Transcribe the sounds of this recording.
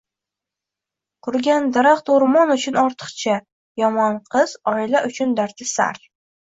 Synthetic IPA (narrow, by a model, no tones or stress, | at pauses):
qʰʊɾɡʲand̪aɾaqt̪oɾmɒnʊt͡ʃʰʊnɒɾt̪ʰɨ̥qt͡ʃʰa | jɒmɒnqʰɨz̥ɒilaʔʊt͡ʃʰʊnd̪aɾt̪ʰɪsa̰ɾ